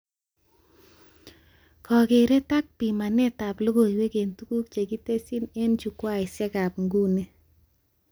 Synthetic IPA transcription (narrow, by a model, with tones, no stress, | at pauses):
kɔ˨ɡe˨ɾe˦ta˦k̚pi˨ma˨ne˦ta˨plo˦ɡo˨i˨we˦ke˨ntu˦ku˦k̚t͡ʃe˨ɡi˦te˦si˦ne˦nt͡ʃu˨kwa˦˨ɪ˨sɛ˦ɡa˨pŋɡu˦ne˦